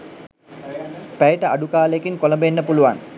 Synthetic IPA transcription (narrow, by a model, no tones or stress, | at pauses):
pæjiʈəaɖukaːləjekiŋkoləmbəenːəpuluʋa̰n